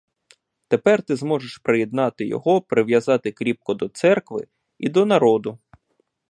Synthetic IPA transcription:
t̪epɛrt̪ɪzmɔʒeʃpɾejɛd̪nɑt̪ɪjɔ̰ɦɔpɾɪʋjɐzɑt̪ɪkɾʲip̚kɔd̪ɔt̪sɛrkʋɪ̰ | id̪ɔnɐɾɔd̪ʊ

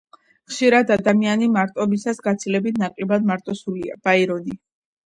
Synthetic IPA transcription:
χʃiɾad̪ad̪amianimaɾt̪ʼɔbisasɡat̪sʰilɛbit̪ʰnaqʼɛbad̪maɾt̪ʼɔsulia̰b̥aiɾɔni

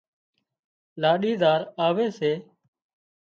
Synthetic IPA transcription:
laːɗiːd̪aːɾaːʋeːseː

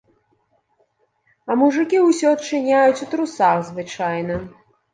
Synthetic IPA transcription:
ɐmuʐɨkʲiusʲɔɐtt͡ʂɨnʲajut͡sʲut̪ɾusaxzvɨt͡ʂajnɐ

